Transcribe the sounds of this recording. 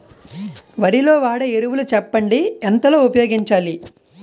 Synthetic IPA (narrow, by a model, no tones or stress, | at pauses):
ʋɐɾilo̞ːʋaːɽɐeɾuʋulut͡ʃɛpːɐɳɖiɛnt̪ɐlo̞ːupɐjoːɡiɲt͡ʃaːli